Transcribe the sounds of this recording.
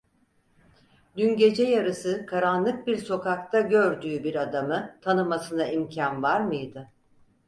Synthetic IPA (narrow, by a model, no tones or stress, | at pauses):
d̪ynɟe̞d͡ʒɛjaɾɯsɯkʰaɾanlˠɯk̚biɾso̞kakt̪ʰaɟø̞ɾd̪yːbiɾad̪amɯt̪ʰanɯmasɯnaimcʰanvaɾmɯjd̪ɯ